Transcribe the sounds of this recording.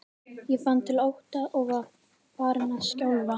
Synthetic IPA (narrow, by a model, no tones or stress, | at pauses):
jɛfant̪ʰɪlowht̪aʔɔɣað | faːɾnascawlva